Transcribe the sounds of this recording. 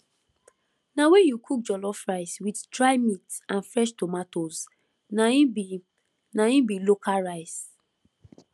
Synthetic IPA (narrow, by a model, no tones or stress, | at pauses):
nawɛjukʰuk̚d͡ʒɔlɔfɹaɪswiddɹaɪmitsãnfɹɛʃtɔmatos | naĩbi | naĩbilokaɹaɪs